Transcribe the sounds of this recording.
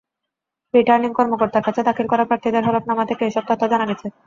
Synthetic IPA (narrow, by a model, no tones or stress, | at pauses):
ɾiʈaɾniŋkɔɾmokoɾt̪aɾkat͡ɕʰed̪akʰilkɔɾapɾaɾt̪ʰid̪eɾɦɔlop̚namat̪ʰekeeʃɔb̚t̪ɔt̪ʰːad͡ʑanaɡet͡ɕʰe